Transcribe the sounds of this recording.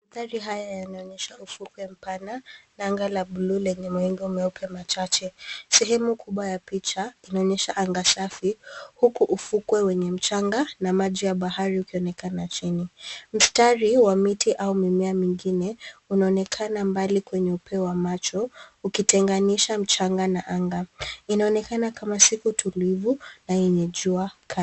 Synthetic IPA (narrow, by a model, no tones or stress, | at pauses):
aθaɾiɦajajanaɔɲɛʃaufukwɛm̩pananaŋɡalaɓululɛɲɛmwɛŋɡɛumɛupʰɛmat͡ʃat͡ʃɛsɛɦɛmukuɓwajapit͡ʃainaɔɲɛʃaʔaŋɡasafihukuʔufukwɛwɛɲɛm̩t͡ʃaŋɡanamaʄijaɓaɦaɾiukiɔnɛkanat͡ʃinim̩staɾiwamitʰiʔaumimɛamiŋɡinɛunaɔnɛkʰanambalikwɛɲɛupʰɛwamat͡ʃɔukitɛŋɡaniʃam̩t͡ʃaŋɡanaʔaŋɡainaɔnɛkanakamasikutʰulivunajɛɲɛʄuakʰa